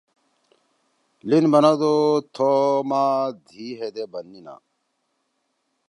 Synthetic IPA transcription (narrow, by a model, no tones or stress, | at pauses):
linbɐnad̪ot̪ʰomad̪ʱiːɦed̪ebɐnːina̰